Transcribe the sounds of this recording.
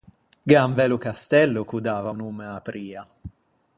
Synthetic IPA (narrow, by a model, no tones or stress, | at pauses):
ɡaɱvɛlʊkast̪ɛlːʊkud̪aːvaunuːmeapɾiːa